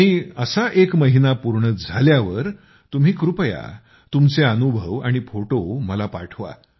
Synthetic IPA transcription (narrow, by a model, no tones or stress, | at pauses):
iːəsaʔekməɦinapuɾɳəd͡zʱaljaʋəɾ | t̪um̤iːkɾupja̰ | t̪umt͡seənubʱəʋaɽ̃ifoʈoməlapaʈʰʋa̰